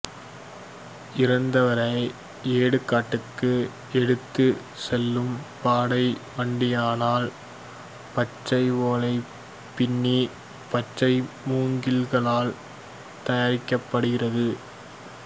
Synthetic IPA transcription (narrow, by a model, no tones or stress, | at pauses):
ɪɾɐnd̪ɐʋɐɾɐɪ | eːɽɯkːaːʈːɯkːɯ | ɛɽɯt̪ːɯ | sɛlːɯmpaːɽɐɪʋɐɳɖɪjaːnaːl | pɐt͡ʃːɐɪʋoːlɐɪ | pːɪɳːi | pɐt͡ʃːɐɪmuːŋɡɪlɣɐɭaːl | t̪ɐjaːɾɪkːɐpːɐɽɯɣɪrɐðɯ